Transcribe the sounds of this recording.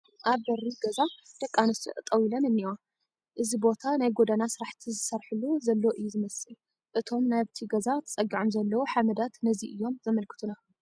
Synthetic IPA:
ʔaβbɐriɡɐzad̪̥ɐkʼːanɨst̪ʰɨ̰ʔt̪ʼɐwilɐnɨnːiwa | ʔɨzibo̞t̪ʰanajɡod̪anasɨɾaħt̪ʰizɨsɐɾħɨlːuzɐlːoʔɨjːuzɨmɐsɨ | ʔɨt̪ʰo̞mnaβt̪ʰiɡɐzat̪ʰɐ̥t͡sʼɐɡːiʕomzɐlːɐwuħamɐd̪at̪nɐziʔɨjːo̞mzɐmɐlkʰɨ̥t̪ʰuna

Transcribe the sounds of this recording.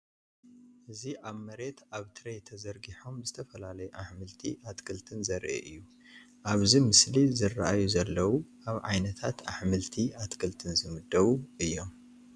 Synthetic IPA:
ʔɨziʔaβmɐɾe̞t̪aβt̪ʰɨɾejt̪ʰɐzɐɾɡiħo̞mzɨt̪ʰɐfɐlalɐjuʔaħmɨlt̪ʰḭʔat̪kʰɨlt̪ʰɨnzɐɾʔḛʔɨjːu | ʔaβzimɨslizɨrːaʔajuzɐlːɐwuʔaβʕa̰jnɐt̪ʰat̪a̰ħmɨlt̪ʰiʔat̪kʰɨlt̪ʰɨnzɨmɨd̪ɐβuʔɨjːo̞m

